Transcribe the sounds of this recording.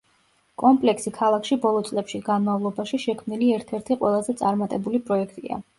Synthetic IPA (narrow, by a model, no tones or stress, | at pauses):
kʼɔmpʼlɛksikʰalˠakʰʃibɔlˠɔt̪sʼlɛpʃiɡanmavlˠɔbaʃiʃɛkʰmniliɛɾt̪ʰɛɾt̪ʰiqʼwɛ̰lˠazɛt̪sʼaɾmat̪ʼɛbulipʼɾɔɛk̚ʰt̪ʼia̰